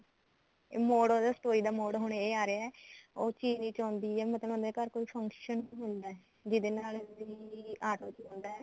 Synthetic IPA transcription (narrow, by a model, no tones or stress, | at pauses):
moːɽod̪aːsʈoːiːd̪aːmoːɽɦʊɳeːaːɾeaɛːoːt͡ʃiːd͡ʒniːt͡ʃãːnd̪iːɛːmət̪ləbnd̪ɛːkəɾkoːiːpʰəŋkʃənːɦʊnd̪aːɛ | d͡ʒɪd̪eːnaːliaːʈoːt͡ʃːʊnd̪aːɛː